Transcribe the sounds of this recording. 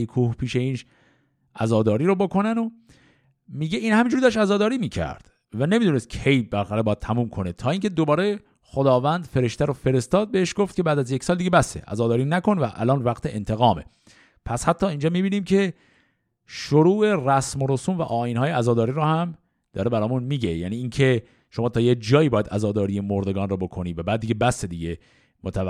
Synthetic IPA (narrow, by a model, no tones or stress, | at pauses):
jekʰuːhpʰiːʃeiːnʃ | ʔæzɒːd̪ɒːɾiːɾobokʰo̞næno | miːɟeiːnhæmind͡ʒuɾid̪ʃ̬æzɒːd̪ɒːɾiːmiːcʰæ̰ɾd̪̥ | væne̞mid̪unest̪̚kcʰe̞jbæɾxæɾebɒːjæd̪̚t̪ʰæmuːmkʰo̞net̪ʰɒːiːŋcʰe̞d̪obɒːɾe | xod̪ɒːvænd̪fe̞ɾe̞ʃt̪æɾɔfe̞ɾe̞st̪ɒːd̪̚beheʃɡoft̪̚cʰe̞bæːd̪æzjecʰʲsɒːld̪iːɟebæseʔæ̰zɒːd̪ɒːɾiːnæko̞nvæʔæ̰lɒːnvæɡt̪ʰeʔent̪ʰe̞ɣɒːme̞̰ | pʰæshæt̪ʰːɒːind͡ʒɒːmiːbiːniːmcʰe̞ | ʃoɾuːʔe̞ræsmoɾosumvæ̰ʔɒːinhɒːjeæzɒːd̪ɒːɾiːɾɔːhæm | d̪̥ɒ̰ːɾe̞bæɾɒːjmunmiːɟejæːniːiːncʰe̞ | ʃo̞mɒːt̪ʰɒːjed͡ʒɒːiːbɒːjæd̪æzɒːd̪ɒːɾijemoɾd̪e̞ɡɒːnrɔbo̞kʰo̞niːvæbæːd̪d̪ːiɡʲɟebæsed̪iːɡe | mot̪ʰæ